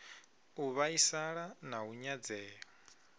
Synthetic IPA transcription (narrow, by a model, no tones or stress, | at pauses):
uβaisaɺanauɲad͡zɛːɔ